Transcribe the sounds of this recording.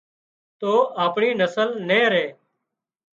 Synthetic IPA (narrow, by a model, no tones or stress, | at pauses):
t̪oːʔaːpɳiːnəsəlnẽːɾeː